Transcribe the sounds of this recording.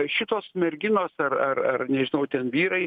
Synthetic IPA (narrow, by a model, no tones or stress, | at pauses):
ʃʲɪt̪oːsmʲɛɾʲɡʲɪnoːsɐrɐrɐrnʲɛʒʲɪnɐʊt̪ʲɛnʋʲiːɾɐɪ